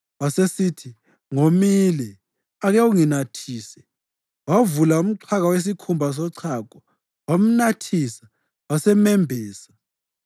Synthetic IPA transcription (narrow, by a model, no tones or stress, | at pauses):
wasesitʰi | ŋomilɛ | aɣɛuŋinatʰiːsɛ | wavulaum̩ǀʰaɣawes̬ikʰumbʱas̬ɔǀʰak̬ʼɔ | wam̩natʰisḁ | wasɛmɛmbʱɛːsḁ